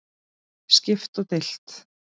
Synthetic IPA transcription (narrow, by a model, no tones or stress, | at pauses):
scɪft̪ɔɣt̪el̥t̪